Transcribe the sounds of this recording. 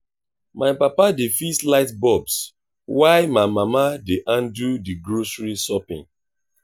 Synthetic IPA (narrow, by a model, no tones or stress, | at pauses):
maɪpapadefislaɪtbɔbs | waɪmaɪmamadeʔãndudiɡɹosɹisɔpḭ̃ŋ